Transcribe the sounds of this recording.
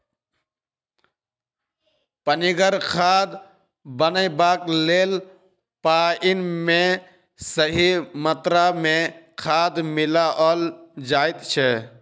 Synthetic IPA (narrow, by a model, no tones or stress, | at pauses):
pəniɡəɾkʰaːd̪ | bənəibaːkleːl | paːinmẽ | səɦimət̪ɾamẽ | kʰaːd̪mɪlaʔɔːld͡ʒaːit̪t͡ʃʰɛ